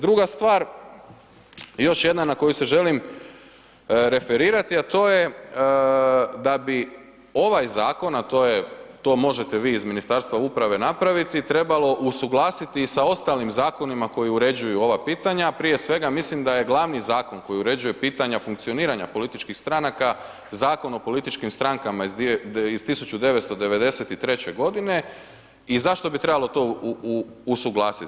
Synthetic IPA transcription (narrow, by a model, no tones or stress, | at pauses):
d̪ɾuɡast̪ʋaːɾ | jo̞ʃje̞d̪nanako̞juse̞ʒe̞lim | ɾe̞fe̞ɾiːɾat̪iat̪o̞ːje | d̪abi | o̞ʋajzaːko̞nat̪o̞je̞t̪o̞ːmo̞ʒe̞t̪e̞ʋiːzminist̪aɾst̪ʋaupɾaʋe̞napɾaʋit̪it̪ɾe̞balo̞ʔusuɡlˠaːsit̪isao̞st̪alimzaːko̞nimako̞jiuɾe̞d͡ʑujuo̞ʋapiːt̪aɲapɾije̞sʋe̞ɡamislimd̪aje̞ɡlˠaʋnizaːko̞nko̞jiuɾe̞d͡ʒuje̞piːt̪aɲafuŋkt̪sio̞niːɾaɲa̰polit̪it͡ʃkixst̪ɾanaka | zaːko̞no̞po̞lit̪it͡ʃkimst̪ɾaŋkamaizt̪isut͡ʃud̪e̞ʋe̞t̪st̪o̞d̪e̞ʋe̞d̪e̞se̞t̪it̪ɾe̞t͡ɕe̞ɡo̞d̪ine̞ | izaʃt̪o̞bit̪ɾebalˠo̞t̪o̞ː | suɡlˠaːsit̪